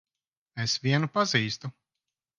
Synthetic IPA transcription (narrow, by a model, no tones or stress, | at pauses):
esvʲiɛnupaziːst̪u